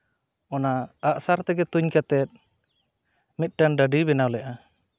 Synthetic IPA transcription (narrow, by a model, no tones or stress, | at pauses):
ɔnaaʔsaɾt̪ɛɡɛt̪uɲkat̪ɛt̪̚ | mit̪̚ʈanɖaɖibɛnawlɛʔa